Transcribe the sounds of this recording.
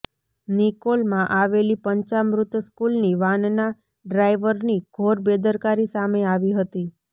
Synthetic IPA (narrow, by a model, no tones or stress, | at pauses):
nikolmãʔaʋelipəɲt͡ʃamɾʊt̪əskulniʋanna | ɖɾaiʋəɾniɡ̥ʱoɾbed̪əɾkaɾisameaʋiɦət̪i